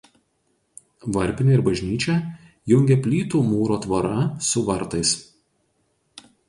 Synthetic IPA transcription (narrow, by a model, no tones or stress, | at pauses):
ʋɐɾʲpʲɪnʲeɪɾbɐʒʲnʲiːt͡ʃʲɛ | jʊŋʲɡʲɛpʲlʲiːt̪uːmuːɾoːt̪ʋɐɾɐsʊʋɐɾt̪ɐɪs